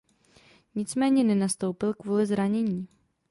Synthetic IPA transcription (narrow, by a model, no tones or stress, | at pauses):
ɲɪt͡smɛːɲɛnɛnast̪owpɪlkvuːlɪzɾaɲɛɲiː